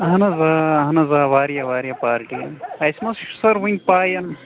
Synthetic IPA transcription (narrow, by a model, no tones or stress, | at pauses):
ɦɐnɐzaːɦɐnɐzaːʋaːɾjɐʋaːɾijɐpaːɾʈiɐjsmɐsʃu̥sɐɾʋiŋʲɡ̚ʲpaːjɐn